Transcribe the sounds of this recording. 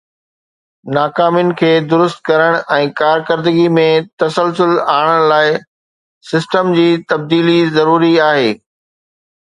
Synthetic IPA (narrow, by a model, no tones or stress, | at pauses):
naːkaːmijnɪ̆kʰeːd̪ʊɾʊst̪̚kɐɾəɽ̃ɛ̃ːkaːɾkəɾd̪əɡimẽt̪ɐsəlsʊlaːɽ̃əɽ̃laːɪ | sɪsʈəmd͡ʑiːt̪ɐb̚d̪iːlizɐɾuːɾiaːɦeː